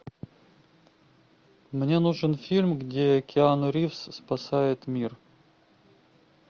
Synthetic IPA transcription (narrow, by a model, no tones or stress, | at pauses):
mnʲenuʐɨnfʲilʲmɡdʲeɐkʲɪanʊɾʲifsːpɐsajɪt̪mʲir